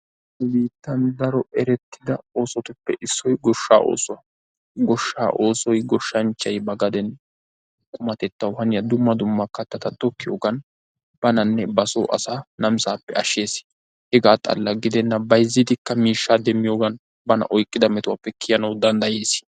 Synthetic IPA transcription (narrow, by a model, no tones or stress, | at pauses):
biːt̪ːɐnd̪ɐɾɔɛɾɛt̪ːɪd̪ɐo̞ːsɔt̪ʊpːɛʔɪsːɔjɡɔʃːa̰ːʔo̞̰ːsɔwɐ | ɡɔʃːa̰ːʔoːsɔjɡɔʃːɐnt͡ʃːɐjbɐɡɐd̪ɛn | kʼʊmɐt̪ɛt̪ːɐwhɐnɪjɐd̪ʊmːɐd̪ʊmːɐkɐt̪ːɐt̪ɐt̪ʼɔkːɪjoːɡɐn | b̥ɐnɐnːɛbɐso̰ːʔɐ̰saːnɐmsaːpːɛɐʃːe̞ːs | hɛɡaːt̪ʼɐ̰lːɐɡɪd̪ɛnːɐbɐjzːɪd̪ɪkːɐmiːʃːaːd̪ɛmːɪjo̞ːɡɐn | bɐnɐ̰ʔɔjkʼːɪd̪ɐmɛt̪ʊwɐpːɛkʰɪjɐnɐwd̪ɐnd̪ɐjeːs